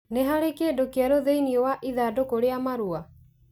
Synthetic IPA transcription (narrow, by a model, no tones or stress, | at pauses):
neɦaɾekedokeaɾoðeiniowaʔiðadokoɾeamaɾua